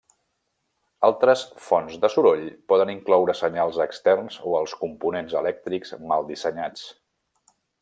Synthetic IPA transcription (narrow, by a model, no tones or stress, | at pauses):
alˠt̪ɾəsfɔnzðəsuɾoʎpɔðəniŋklɔwɾəsəɲalˠzəkst̪ɛrnzoəlˠskumpunenzəlɛk̚t̪ɾikzmalˠd̪isəɲat͡s